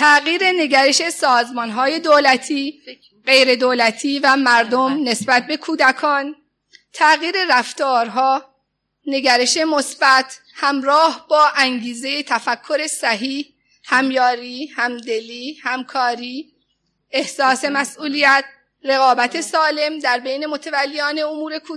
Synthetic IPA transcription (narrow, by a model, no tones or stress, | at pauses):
t̪ʰæɣiːɾe̞ne̞ɟæɾe̞ʃe̞sɒːzmɒnɦɒːje̞d̪oːlæt̪ʰiː | ɢe̞jɾe̞d̪oːlæt̪ʰiːvæmæɾd̪omne̞sbæt̪̚be̞kʰuːd̪ækʰɒːn | t̪ʰæɣiːɾe̞ɾæft̪ɒːɾɦɒː | ne̞ɡæɾe̞ʃe̞mosb̥æt̪ʰhæmɾɒːhbɒːʔæŋɡiːze̞jet̪ʰæfækʰːo̞ɾe̞sæɦiːh | hæmjɒːɾiːhæmd̪e̞liːhæmkʰɒːɾiː | e̞hsɒːse̞mæsʔuːlijæt̪̚ | ɾe̞ɣɒːbæt̪ʰe̞sɒːle̞md̪æɾbe̞jne̞mo̞t̪ʰevælːijɒːne̞omuːɾe̞kʰu